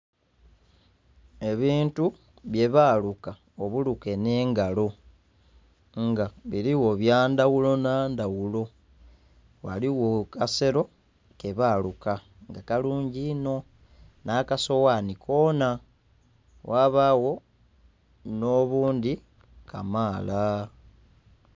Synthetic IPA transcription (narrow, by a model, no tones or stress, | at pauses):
e̞βiːntu | βje̞βaːluka | o̞βuluke̞ne̞ːŋɡalo̞ | ŋɡaβiɾiwo̞βjaːndawulo̞naːndawulo̞ | wa̰liwo̞kase̞ɾo̞ | ke̞βaːluka | ŋɡakaluːɲɟino̞ | nakaso̞wanikʰo̞ːna | wʔaːβawo̞ | no̞βuːnd̪i | kʰamaːla